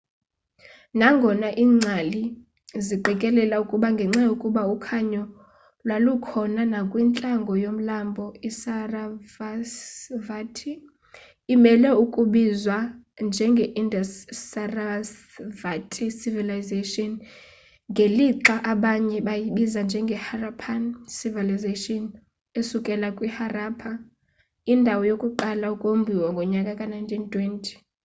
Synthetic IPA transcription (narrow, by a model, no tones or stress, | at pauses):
naŋɡʱɔnaʔiːŋ͡ǀʱali | ziǃɛkʼɛlɛlaukʼuɓaŋɡʱɛŋ͡ǁajokʼuɓaukʰaɲɔ | lwalukʰɔnanakʼwint͡ɬʼaŋɡʱɔjom̩lambʱɔisaravasvatʰiː | mɛlɛukʼuɓizwand͡ʒʱɛŋɡʱɛʔindʱasaras | vatʼʰisivilajzeʃɔn | ŋɡʱeliǁaʔaɓaɲɛɓajiɓizand͡ʒʱɛŋɡʱɛharapʰansivilizeʃʼɔn | esukʼɛlakʼwiharaːpʰa | indʱawɔjokʼuǃalaukʼombʱiwɔŋɡʱɔɲakʼakʼanajntʰintʰʼwɛntʰʼi̥